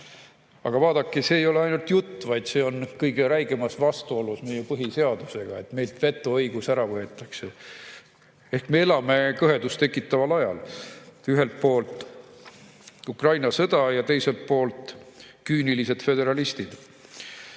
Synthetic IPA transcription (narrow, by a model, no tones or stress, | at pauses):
ɑ̰ɡ̥ɑvɑːd̪̥ɑkːˑise̞ːjo̞le̞ɑjnult̪jut̪ˑːvɑjd̪se̞ːo̞nkɤjɡe̞ɾæjɡemɑsvɑst̪uo̞lusme̞jepɤɦise̞ɑd̪̥use̞ɡ̥ɑe̞t̪me̞jlt̪ve̞t̪ːˑuɤjɡ̥usæɾɑvɤe̞t̪ːˑɑkse | e̞hkme̞e̞lɑme̞kɤɦe̞d̪ust̪e̞kːˑit̪ːˑɑvɑlɑjɑ̰l | yɦe̞lt̪̚po̞ːlt̪ˑ | ukrɑjnɑsɤd̪̥ɑjɑt̪e̞jse̞lt̪̚po̞ːlt̪ːˑ | kyːnilise̞d̪̥fe̞d̪e̞ɾɑlist̪id̪̥